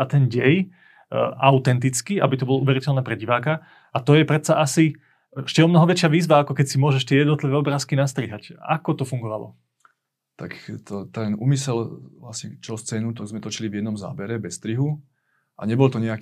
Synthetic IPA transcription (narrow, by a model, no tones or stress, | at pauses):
at̪ɛnɟɛj | ʔaʊt̪ɛnt̪it͡skiʔa̰bit̪ɔbɔlɔuʋɛɾicɛlnɛːpɾɛɟiʋaːka | at̪ɔjɛpɾɛt̪t͡saʔasi | ɛʃcɛɔmnɔɦɔʋɛt͡ʃɪaʋiːzʋaakɔkɛcsimʊɔʒɛʃt̪ɪɛjɛd̪nɔt̪liʋɛːɔbɾaːskinast̪ɾiɦaca̰kɔt̪ɔfuŋɡɔʋalɔ̰ | t̪akt̪ɔt̪ɛnṵːmisɛlʋlasɲɛt͡ʃɛlst͡sɛːnut̪ɔɡzmɛt̪ɔt͡ʃilivjɛd̪nɔmza̰ːbɛɾɛbɛst̪ɾiɦu | a̰ɲɛbɔlt̪ɔɲɛak